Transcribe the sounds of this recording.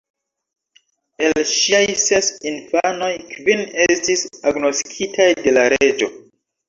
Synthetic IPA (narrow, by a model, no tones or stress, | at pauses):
e̞lʃiajse̞sinfano̞jkvine̞stisaɡno̞stkʰitajde̞laɾe̞d͡ʒo̞